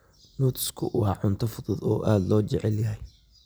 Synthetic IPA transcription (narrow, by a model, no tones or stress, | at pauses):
luːt̪ʰskʰʊʔʊɑʕʊnt̪ʰɐfʊðɔðɔːʔaːd̪lɔːt͡ʃɛʕɛljɐɦɛj